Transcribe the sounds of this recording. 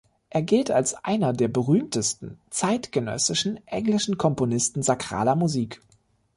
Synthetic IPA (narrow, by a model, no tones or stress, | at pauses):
ʔeːɐɡɪltalsʔa̰ɪnɐdeːɐbəʁyːmtəstn̩t͡saɪtɡ̥ənœ̰sɪʃn̩ʔɛŋlɪʃn̩kʰɔmponɪstn̩zakʁ̥a̰ːlɐmuziːk